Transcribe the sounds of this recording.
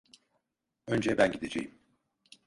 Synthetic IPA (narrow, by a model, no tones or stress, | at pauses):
ønd͡ʒɛbænɟid̪ed͡ʒḛjim